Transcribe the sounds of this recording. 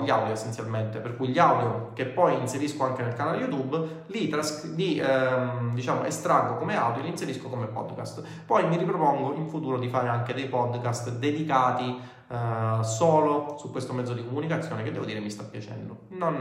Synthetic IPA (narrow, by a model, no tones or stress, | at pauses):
ʎiawd̪joesːent̪sjalment̪eperkujiʎːiawd̪jok̟epːɔjinseɾiskoaŋkenelkanaːlejut̪ub | lit̪ɾasli | d̪it͡ʃaːmoʔḛst̪ɾaɡːokomeawd̪jolinseɾiskokomepɔ̰d̪kast̪ | pɔjmiɾipɾopoŋɡoʔiɱfut̪uːɾod̪ifaːɾeaŋked̪ejpɔd̪kast̪d̪ed̪ikaːt̪i | soːlosukwest̪omɛd̪zːod̪ikomunikat̪sːjoːneked̪ɛvod̪iːɾemist̪apːjat͡ʃɛ̰nd̪o̰non